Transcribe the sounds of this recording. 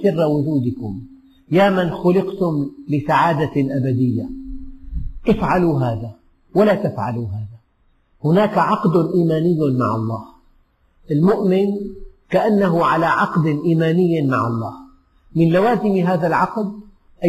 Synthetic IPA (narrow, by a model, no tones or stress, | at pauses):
sɪrːawʊd͡ʒuːd̪ɪkʊm | jaːmanxʊlɪqt̪ʊmlɪsaʕaːd̪aʔabad̪ɪjːa | ʔɪfʕaluɦaːða | walat̪afʕa̰luɦaːða | hʊnaːkaʕɑqd̪ʊnʔiːmaːnɪjːma̰ʕɑ̰lˤːɑːh | ʔɪlmʊʔmɪnkaʔanːaɦʊʕalaʕɑqd̪ɪʔiːmaːnɪjːmaʕɑlˤːɑːh | mɪnlawaːzɪmɦaːðalʕɑqd̪ | ʔa